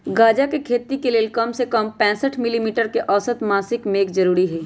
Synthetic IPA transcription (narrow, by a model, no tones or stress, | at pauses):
ɡaːd͡ʒakekʰeːt̪ikeleːlkəmsekəmpɛ̃ːsəʈʰmɪlimiːʈəɾkeʔɔːsət̪maːsɪkmeːkzɐɾuːɾiɦɛː